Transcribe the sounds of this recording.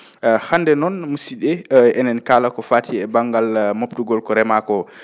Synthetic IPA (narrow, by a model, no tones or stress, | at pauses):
handɛnɔnmusiɗɛʔɛnɛnkaːlakɔfaːtʰiɛbaŋɡalmoptuɡɔlkɔɾɛmakɔ